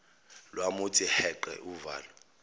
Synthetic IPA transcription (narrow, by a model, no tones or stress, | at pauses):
lwamut͡sʼihɛǃɛ̰ʔuva̰ːlɔ